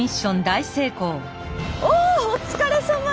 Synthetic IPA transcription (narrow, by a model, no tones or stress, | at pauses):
iɕːõ̞nd̪aise̞ːko̞ː | oot͡sɨ̥kaɾesõŋɡa